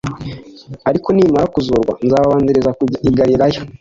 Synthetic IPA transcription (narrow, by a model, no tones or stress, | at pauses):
aɾiko̞niːmaɾakuzoɾɡwa̰nzaːβaβaːndiɾezaiɡaɾiɾajo̞